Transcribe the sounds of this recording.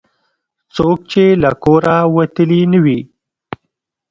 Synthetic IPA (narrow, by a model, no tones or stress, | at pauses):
t͡sok̚t͡ʃelakoɾawat̪əlinəwi